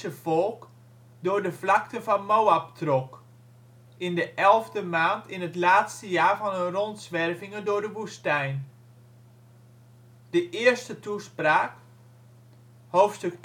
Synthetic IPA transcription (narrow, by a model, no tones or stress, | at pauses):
səvolˠk | dʊːɹdəvlɑktənvɑnmowap̚trɔk | ɪndəʔɛlˠvdəmaːntɪnɦətlaːtstəjaːɹvɑnənrɔntsʋɛrvɪŋəndʊːɹdəʋustɛjn | d̥əʔɪːəɹstətuspraːk | hoːftstɵk